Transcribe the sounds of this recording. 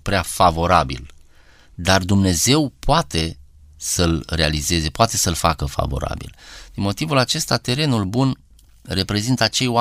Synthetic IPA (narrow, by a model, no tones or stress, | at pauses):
pɾeafavo̞ɾabḭl | d̪ard̪umne̞ze̞wpoat̪e̞ | səlre̞alize̞ze̞poat̪e̞səlfa̰kəfa̰vo̞̰ɾa̰bḭld̪̥inmo̞t̪ivulat͡ʃe̞st̪at̪e̞ɾe̞nulbun | re̞pɾe̞zint̪əat͡ʃe̞joa